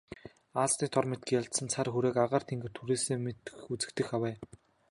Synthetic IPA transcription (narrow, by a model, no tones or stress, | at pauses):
aːst̪iːt̪ʰɔrmet̪̚ɡɘ̆kjaɮt̪sə̆nt͡sʰarxuɾeːkaʁaːr̥t̪ʰeŋɡɘ̆r̥t̪ʰuɾeːseːmet̪ɘ̥̆xut͡sɘ̆kt̪ɘ̆xawæː